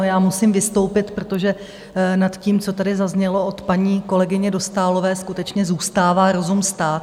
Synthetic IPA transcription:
mɪamusimvɪst̪o̞wpɪt̪pɾot̪o̞ʒɛ | nat̪ciːmt͡so̞t̪adɪzazɲɛlo̞ot̪paɲiːko̞lɛɡɪɲɛdo̞st̪aːlo̞vɛːskut̪ɛt͡ʃɲɛzuːst̪aːvaːɾo̞zumst̪aːt̪

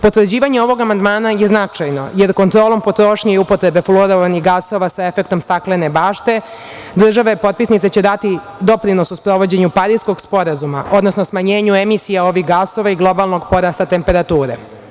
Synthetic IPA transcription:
pot̪ʋr̩d͡ʑiːʋaɲeo̞ʋo̞ɡamand̪maːnajeznat͡ʂajno̞̰je̞ɾko̞nt̪ɾo̞ːlˠo̞mpo̞t̪ɾo̞ʃɲaiupo̞t̪ɾe̞be̞floɾoʋaniɣɡaso̞ʋasae̞fe̞kt̪o̞mst̪aklene̞baːʃt̪e̞ | d̪r̩ʒaʋepo̞t̪̚pisnit̪set͡ɕe̞d̪at̪i | d̪o̞pɾino̞suspɾo̞ʋo̞d͡ʑe̞ɲupaɾisko̞ɡspo̞ɾazuma̰ʔo̞d̪nosnosmaɲe̞ːɲue̞misijao̞ʋixɡaso̞ʋaiɡlˠo̞balˠno̞ɡpo̞ɾast̪at̪e̞mpe̞ɾat̪uːɾḛ

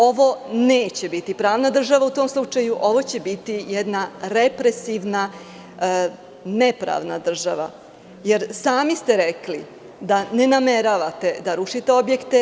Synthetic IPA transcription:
o̞ʋo̞neːt͡ɕe̞bit̪ipɾaːʋnad̪r̩ʒaʋaut̪oːmslˠut͡ʂajuʔo̞ʋo̞t͡ɕe̞bit̪ijɛd̪naɾepɾesiʋna | nepɾa̰ːʋna̰d̪r̩ʒaʋa̰ | jeɾsaːmist̪e̞ɾekli | d̪ane̞nameɾaʋat̪e̞d̪aɾuʂit̪eo̞bjekt̪e

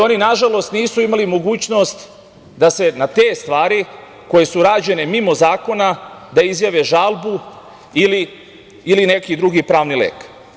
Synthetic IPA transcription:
o̞ninaʒalo̞st̪niːsuimalimo̞ɡuːt͡ʃno̞st̪ | d̪ase̞nat̪e̞ːst̪ʋaːɾi | ko̞je̞suɾaːd͡ʑe̞ne̞mimo̞zaːko̞nad̪aizjaʋeʒalˠbu | iliː | line̞kid̪ɾuɡipɾaːʋnilḛːk

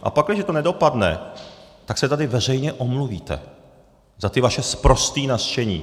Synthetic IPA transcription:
ʔa̰paklɪʒɛt̪onɛdo̞padnɛ̰t̪aksɛt̪adɪvɛr̝ɛjɲɛʔomluviːt̪ɛ̰ | zat̪ɪvaʃɛspɾo̞st̪iːnast͡ʃɛɲḭː

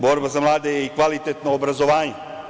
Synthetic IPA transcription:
boːɾbazamlˠaːd̪ejeikʋalit̪et̪noːbɾazo̞ʋaːɲe

